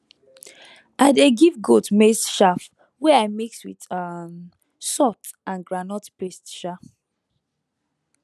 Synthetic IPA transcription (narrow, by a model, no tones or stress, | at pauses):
adeɡivɡotmestʃaf | wɛaɪmekswiðam | sɔt | ãnɡɹanɔtpestʃaf